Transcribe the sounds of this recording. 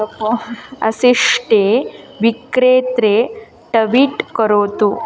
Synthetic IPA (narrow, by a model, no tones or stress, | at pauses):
ɐpoɐsiʂʈeʋikɾeːt̪ɾe | ʈɐʋiʈkɐɾoːt̪u